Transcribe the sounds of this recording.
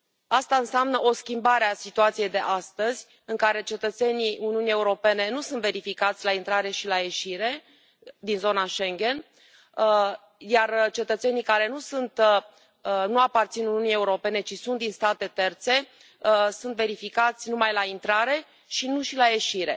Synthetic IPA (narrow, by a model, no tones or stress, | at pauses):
ast̪aɨnseamnəʔo̞skʲimbaɾeasit̪uat̪sijejd̪e̞ʔast̪əzʲ | ɨŋkaɾe̞t͡ʃe̞t̪ət̪se̞niʔuniunije̞uɾo̞pe̞ne̞nusunt̪ve̞ɾifikat̪sʲlaint̪ɾaɾe̞ʃilaje̞ʃiɾe̞ | d̪inzo̞naʃeŋɡʲe̞n | jart͡ʃe̞t̪ət̪se̞nijkaɾe̞nusunt̪ | ənuapart̪sinuniunieuɾo̞pe̞ne̞t͡ʃisunt̪̚d̪inst̪at̪e̞t̪e̞rt̪se̞ | sunt̪ve̞ɾifikat̪sʲnumajlaint̪ɾaɾe̞ | ʃinuʃilaje̞ʃiɾe̞̰